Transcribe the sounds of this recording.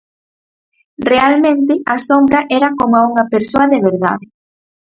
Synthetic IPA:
realmẽnt̪ɪasombɾaʔɛɾɐkomauŋɐpeɾsoɐðeβ̞eɾða̰ð

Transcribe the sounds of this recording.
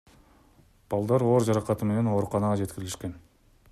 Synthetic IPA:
b̥ɑlˠd̪ɑɾo̞ːɾd͡ʒɑɾɑqɑt̪ɯme̞ne̞no̞ːɾuqɑnɑʁɑd͡ʒe̞t̪kɪɾɪliʃke̞n

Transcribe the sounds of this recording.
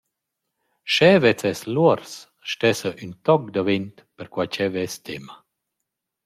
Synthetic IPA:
ʃɛvɛt͡sɛsluɔɾs | ʃtɛsəʔynt̪ɔk̚d̪avent̪pəɾkwat͡ʃɛvɛst̪ɛma

